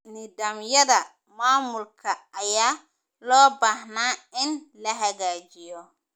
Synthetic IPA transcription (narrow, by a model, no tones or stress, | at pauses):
nidamjɐdɐ | maːmulkʰɐːjaː | lɔːbahnaːɪnlɐɦɐɣaːd͡ʒijɔ